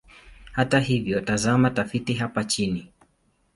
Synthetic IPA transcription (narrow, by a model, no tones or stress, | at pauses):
hataɦivjɔtazamatafitiɦapat͡ʃini